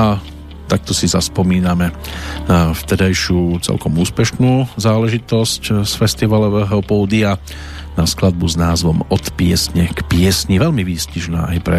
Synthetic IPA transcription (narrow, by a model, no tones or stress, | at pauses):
a | t̪ak̚t̪ɔsizaspɔmiːnamɛnaft̪ɛd̪ajʃɪuːt͡sɛ̰lkɔmuːspɛʃnuːzaːlɛʒit̪ɔscsfɛst̪iʋalɔʋɛːɦɔpɔːd̪ia | nasklad̪̚buznaːzʋɔmɔt̪pɪɛsɲɛkpɪɛsɲiʋɛlmiʋiːsciʒna̰ːʔajpɾɛ